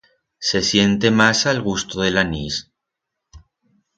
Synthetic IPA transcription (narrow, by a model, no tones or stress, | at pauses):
se̞sje̞nt̪e̞masalɣ̞ust̪oðe̞lanis